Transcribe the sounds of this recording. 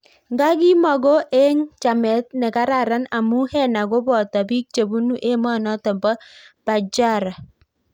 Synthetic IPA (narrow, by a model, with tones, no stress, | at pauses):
ŋɡa˦ɡi˦mɔ˨ɡo˦ʔe˦ŋt͡ʃa˨mɛ˨˦t̚nɛ˨ka˦ɾa˨ɾa˦na˨mu˦hɛ˦˨na˨ɡo˦bɔ˨ta˨bi˦k̚t͡ʃe˨bu˦nu˦ʔe˦ma˦˨nɔ˦tɔ˨mbɔ˦b̥a˨d͡ʒa˦˨ɾa˨